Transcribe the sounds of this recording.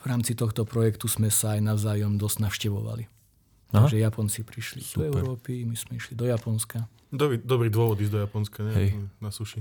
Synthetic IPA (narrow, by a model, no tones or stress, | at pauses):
ʋɾaːmt͡sit̪ɔxt̪ɔpɾɔjɛkt̪uzmɛsaːjnaʊzaːjɔmd̪ɔzɟ̥naʊʃcɛʋɔ̰ʋa̰li | ʒɛjapɔnt͡sipɾiʃlid̥̪ɔɛʊɾɔːpimiz̥mɛiʃlid̪ɔjapɔnska | d̪ɔbɾid̪ɔbɾiːd̪ʊɔʋɔd̪iːzd̪ɔjapɔnskaɲɛɛnasuʃi